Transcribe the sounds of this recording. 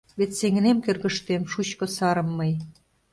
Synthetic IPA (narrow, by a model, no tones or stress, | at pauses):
βet̪seŋnemkørɣə̆ʃt̪emʃut͡ɕkŏsɑɾə̆mːəj